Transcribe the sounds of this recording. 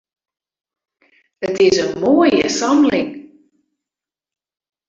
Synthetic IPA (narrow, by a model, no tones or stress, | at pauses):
ətɪsənmoːəjə̰sɑmlɪŋ